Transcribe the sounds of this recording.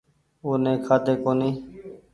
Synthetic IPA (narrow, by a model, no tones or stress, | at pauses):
oːnẽːkʰaːt̪eːkoːniː